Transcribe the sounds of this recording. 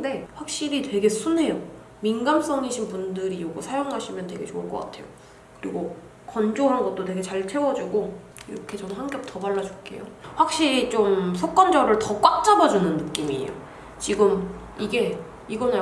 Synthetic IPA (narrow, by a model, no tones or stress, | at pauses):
de̞ɸwak̚ɕ͈iɾitwe̞ɡe̞sʰune̞jo | minɡams͈ʌŋiɕʰinpundɯɾioɡosʰajoŋɦaɕʰimjʌntwe̞ɡe̞t͡ɕoɯɭk͈ʌk͈atʰe̞jo | kɯɾiɡo | kʌnd͡ʑoɦanɡʌt̚t͈otwe̞ɡe̞t͡ɕaɭt͡ɕʰe̞wʌd͡ʑuɡo | iɾʌkʰe̞t͡ɕʌnnhaŋɡjʌp̚t͈ʌbaɭːad͡ʑuk͈e̞̰jo̰ɸwak̚ɕ͈iɾit͡ɕ͈omsʰok͈ʌnd͡ʑʌɾɯɭtʌk͈wat͡ɕ͈abʌd͡ʑunɯnːɯk͈imiḛjo̰ | t͡ɕiɡɯm | iɡe̞ | iɡʌn